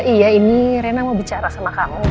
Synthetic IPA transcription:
ijainiɾenamawbit͡ʃaɾasamakamu

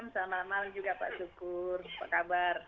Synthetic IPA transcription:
msamamalaŋd͡ʒuɡapa̰ʔsukʊrpa̰ʔkabar

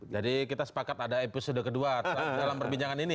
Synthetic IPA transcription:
d͡ʒadikit̪asə̥pakat̪adaepisodakəduat̪apdalampərbiɲd͡ʒaŋanini

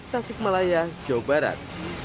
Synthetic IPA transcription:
t̪asɪk̚malajḁd͡ʒawbaɾa̰t̪̚

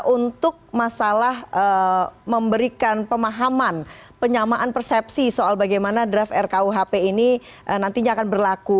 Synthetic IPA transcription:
ʔunt̪ʊk̚masalahəməmbəɾikanpəmaɦamanpəɲamaʔanpərsɛp̚sisoalbaɡajmanadɾafɛrkauɦapeini | ʔənant̪iɲaːkanbərlaku

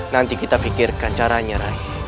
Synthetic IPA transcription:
nant̪ikit̪afikɪrkant͡ʃaɾaɲaɾa

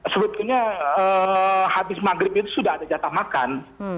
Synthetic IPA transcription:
səbət̪uɲaəhabɪsmaɡɾɪp̚it̪̬usudahadad͡ʒat̪ahmaka̰n

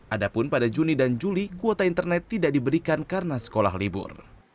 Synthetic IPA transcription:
ʔadapʊnpadad͡ʒunidand͡ʒulikuot̪aint̪ərnɛt̪ːidaʔdibəɾikankarənasə̥kola̰hɦlibʊ̰r

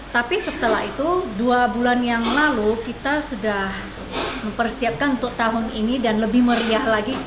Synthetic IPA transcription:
t̪apisət̪əlaɦit̪uduabulanjaŋlalukit̪asudah | məmpərsiap̚kanunt̪ʊk̚t̪aɦʊninidanləbɪhməɾiahlaɡi

